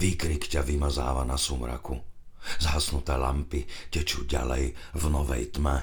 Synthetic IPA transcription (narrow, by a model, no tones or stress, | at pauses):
ʋiːkɾikcaʋimaza̰ːʋanasumɾa̰ku | zɦasnut̪ɛːla̰mpicɛt͡ʃuːɟa̰lɛ̰jvnɔʋɛ̰jt̪mɛ